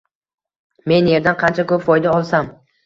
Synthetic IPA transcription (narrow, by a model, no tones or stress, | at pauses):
me̞nje̞ɾd̪anqʰɑnt͡ʃʰakɵpfɒjd̪aɒlˠsam